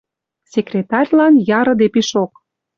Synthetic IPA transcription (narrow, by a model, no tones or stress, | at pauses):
sʲekrʲet̪ɑrʲlɑnjɑɾɤ̆d̪epiʃok̚